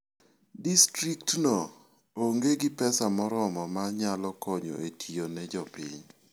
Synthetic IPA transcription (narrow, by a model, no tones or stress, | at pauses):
distɾik̚tnɔ | oŋɡeɡɪpɛsamɔɾɔmɔmaɲalɔkɔɲo̰etʰionɛd͡ʒɔpḭɲ